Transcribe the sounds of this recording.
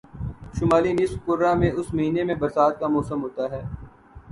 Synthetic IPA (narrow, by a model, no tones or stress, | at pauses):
ʃʊmaːlinɪsfkʊɾamẽʊsmɐɦiːnemẽbɐɾsaːt̪̚kamɔːsəmɦoːt̪aɦɛː